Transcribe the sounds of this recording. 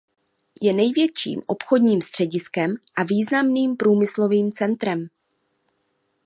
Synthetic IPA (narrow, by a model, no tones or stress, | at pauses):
jɛnɛjvjɛt͡ʃḭːmʔo̞pxodɲiːmst̪r̝̥ɛɟɪskɛmʔaviːznamniːmpɾuːmɪslo̞viːmt͡sɛnt̪ɾɛm